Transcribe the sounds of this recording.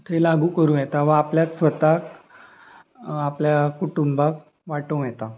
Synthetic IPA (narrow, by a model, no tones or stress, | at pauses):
t̪ʰelaɡuːkəɾũːjɛt̪aʋə̃apljasʋət̪ak | apljakuʈumbak̚ | ʋaʈũːjɛt̪a